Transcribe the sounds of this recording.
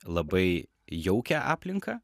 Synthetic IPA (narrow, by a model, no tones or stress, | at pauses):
lˠɐbɐɪ | jɛʊkʲæʔɑ̰ːpʲlʲɪŋkɑː